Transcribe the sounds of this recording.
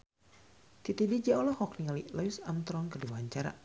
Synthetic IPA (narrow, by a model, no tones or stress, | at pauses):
t̪it̪ivid͡ʒaʔɔlɔhɔkniŋalilajusamt̪ɾɔŋkərdiwaɲt͡ʃaɾa̰